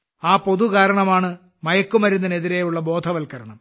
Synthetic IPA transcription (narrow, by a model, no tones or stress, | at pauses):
aːpo̞ðukaːɾɐɳɐmaːɳɨ | mɐjɐkːumʋɐɾunːɐneðiɾejuɭːɐbo̞ːd̪ʱʰɐʋɐlkɐɾɐɳɐm